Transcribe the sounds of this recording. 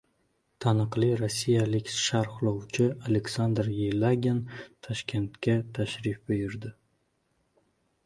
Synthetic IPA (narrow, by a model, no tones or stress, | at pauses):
t̪ʰanɨqlˠiɾasːijalɪkʲʃaɾχlˠowt͡ʃʰɪaleksand̪ɾjelˠaɡʲent̪ʰɒʃkʲʰe̞nt̪kʲat̪ʰaʃɾɪfbɪjɪɾd̪ɪ